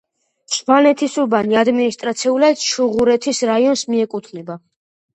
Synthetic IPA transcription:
ʃvanɛt̪ʰisuɾbaniad̪minist̪ʼɾat̪sʰɛulad̪ʃuʁuɾɛt̪ʰisɾaiɔnsmiɛkʼut̪ʰnɛba

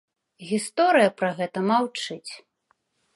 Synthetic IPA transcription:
ɣʲist̪ɔɾɨjɐpɾɐɣɛt̪ɐmawt͡ʂɨt͡sʲ

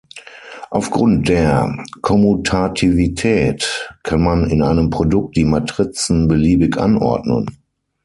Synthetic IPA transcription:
ʔaʊfɡ̥ʁʊnt̚d̥eːɐkʰɔmutʰatʰivitʰɛːtkʰanmanɪnaɪnəmpʁ̥odʊk̚t̚d̥iːmatʁ̥ɪt͡sn̩bəliːbɪkʔa̰nʔɔ̰ɐdnə̰n

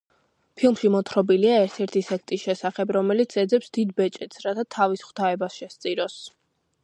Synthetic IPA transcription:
pʰilˠmʃimɔt̪ʰɾɔbiliaɛɾt̪ʰɛɾt̪ʰisɛkʰt̪ʼisʃɛsaχɛbɾɔmɛlit̪sʰɛd̪zɛpsd̪id̪̚bɛt͡ʃʼɛt̪sʰɾat̪ʰat̪ʰavisχw̥t̪ʰaɛbasʃɛst̪sʼiɾɔs

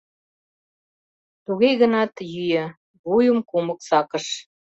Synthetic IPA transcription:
t̪uɣejɣə̆nɑt̪jyjə | βujəmkumə̆ksɑkəʃ

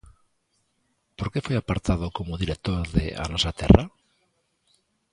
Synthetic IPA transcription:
poɾkefojapaɾt̪að̞okomoðiɾek̚t̪oɾðḛʔa̰nasat̪ḛra

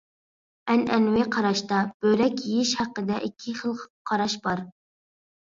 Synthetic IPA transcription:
ɛnɛ̰nwɪqʰɑɾɑʃt̪ɑb̥ølɛkʲjijɪʃhæqːəd̪ɛʔikʲʰːiχəlˠqqʰɑɾɑʃbɑɾ

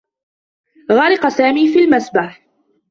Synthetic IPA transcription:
ɣɑɾɪqɑsaːmiːfiːlmasbaħ

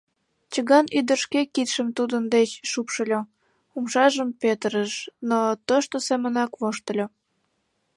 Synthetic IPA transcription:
t͡ɕəɣɑnyd̪ərʃkekit̪ʃəmt̪ud̪ənd̪et͡ɕʃupʃəlʲo | umʃɑʒəmpet̪əɾəʃnot̪oʃt̪osemənɑkβoʃt̪ə̆lʲo

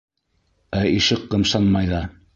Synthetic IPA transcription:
æiʃɘqːɤ̆mʃɑnmɑjðɑ

